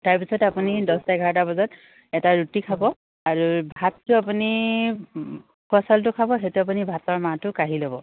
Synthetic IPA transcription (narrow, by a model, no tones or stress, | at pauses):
taɹpisʰɔtapunidɔstajɡʱaɹtabɔzɔt | ɛtaɹutikʰabɔ | aɹubʱatːʊapuni | kɔsaltʊkʰabɔxetʊap̬unibʱatɔɹmatʊkaɦilɔbɔ